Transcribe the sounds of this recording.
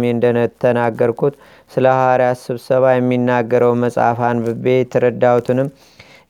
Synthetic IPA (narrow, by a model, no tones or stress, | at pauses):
meɨnd̪ənət̪ʰːənaɡːəɾkʰut̪ | sɨləawaɾjasɨβsəβajɛmːinːaɡːəɾəwməsʼa̰fanbɨbe̞t̪ʰːəɾəd̪ːawt̪ʰɨnɨm